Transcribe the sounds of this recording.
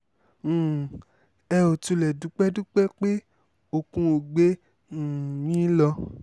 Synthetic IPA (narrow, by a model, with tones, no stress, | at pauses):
ɛ˧o˨tu˧lɛ˨du˨˦k͡pɛ˦du˦k͡pɛ˦k͡pe˦ | o˨kũ˧o˨ɡ͡bẽ˦˨ | wĩ˦lɔ˧